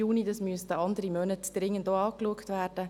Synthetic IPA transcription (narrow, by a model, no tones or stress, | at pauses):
uːnidɑsmyəstəɑndəɾimœnətd̥ɾɪŋːəndoːɑːkluəktʋæːɾd̥ə